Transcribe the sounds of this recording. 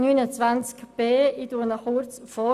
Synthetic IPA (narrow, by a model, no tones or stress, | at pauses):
nyːnət͡svant͡skb̥eːiduənəχurt͡sfɔ